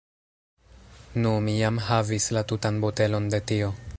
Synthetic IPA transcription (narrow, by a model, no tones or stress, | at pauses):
numijamɦavislatutanbote̞lo̞nde̞tio̞